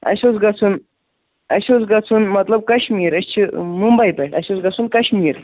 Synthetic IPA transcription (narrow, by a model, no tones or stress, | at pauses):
ɐ̰ɕot͡sɡɐt͡sʰuːn | ɐ̰ɕot͡sɡat͡sʰuːnmɐt̪ləb̚kɐɕmiɾəɕt͡ɕʰimumbɐjpɛʈɐ̰ɕot͡sɡat͡suːnkɐɕmiːɾ